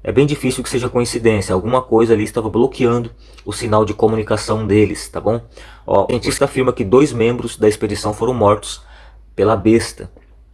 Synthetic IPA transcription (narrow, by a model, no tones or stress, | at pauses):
ɛ̰bẽj̃d͡ʒifisiuwkɪ̥seʒɐkõĩsid̪ẽsjɐawɡũmɐkojzɐaliɪst̪avɐblokiɐ̃nd̪ʊ | ʊsinawd͡ʒɪkomunikasɐ̃w̃d̪elɪst̪abõw̃ɔ̰iẽt͡ʃist̪ɐafiɾmɐkɪd̪ojzmẽmbɾʊzd̪ɐesped͡ʒisɐ̃w̃foɾɐ̃w̃mɔɾt̪ʊ̥s | pelɐbest̪ɐ